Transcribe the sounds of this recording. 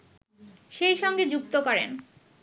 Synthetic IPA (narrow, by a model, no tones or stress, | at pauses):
ʃejʃɔŋɡed͡ʑuk̚t̪okɔɾḛn